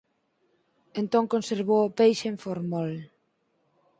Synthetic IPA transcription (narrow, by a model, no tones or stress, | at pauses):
ent̪õŋkonseɾβowopejʃeɱfoɾmɔl